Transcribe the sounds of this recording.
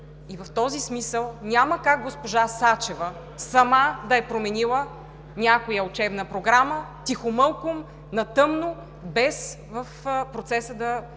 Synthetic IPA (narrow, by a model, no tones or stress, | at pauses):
ivɐft̪ɔzismisəlˠnʲaməkaɡ̚ɡospoʒasat͡ʃɛvə | sɐmad̪ɐɛpɾomɛnilˠə | nʲakojəʊt͡ʃɛbnəpɾoɡɾamət̪ixʊmɤlˠkʊm | nɐt̪ɤmno | bɛs | vəfpɾot̪sɛsəd̪ɐ